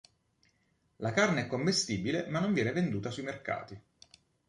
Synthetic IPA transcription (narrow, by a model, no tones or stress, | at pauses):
lakarneɛkːomːest̪iːbilemanːoɱvjɛːnevend̪uːt̪asuimerka̰ːt̪i